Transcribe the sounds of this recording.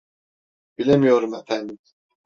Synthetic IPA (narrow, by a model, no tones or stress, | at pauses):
bilʲemijo̞ɾumefænd̪im